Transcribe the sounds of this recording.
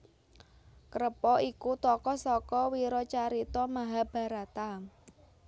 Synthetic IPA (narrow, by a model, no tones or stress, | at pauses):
kəɾəpɔikut̪ɔkɔsɔkɔwiɾɔt͡ʃaɾit̪ɔmaɦab̥a̤ɾat̪am